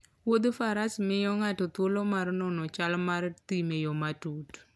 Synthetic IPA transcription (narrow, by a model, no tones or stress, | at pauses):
wod̪faɾasmɪjɔŋatɔt̪wolɔmarnɔnɔt͡ʃalmart̪imejɔmatut